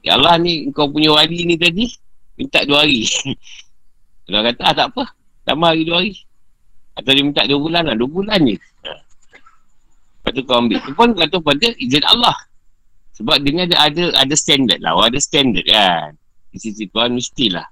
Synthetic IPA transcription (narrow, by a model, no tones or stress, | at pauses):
j̰a̰lːahniəŋkawpuɲawalinĩt̪̬adimint̪aʔduəaɾi | kalakat̪aat̪aʔpə | la̰mahaɾiduaaɾi | at̪awdimint̪aʔduəbulanlahduəbulanːi | ə̰ | pat̪̬ukawambɪʔt̪upʊnkat̪ohpadəʔid͡ʒɪna̰lːah | səbap̚dəniadaadəadəst̪ɛndə̰t̪̚la̰waadast̪ɛndə̰t̚kan | isit̪ikuanmisi̥t̪ila̰h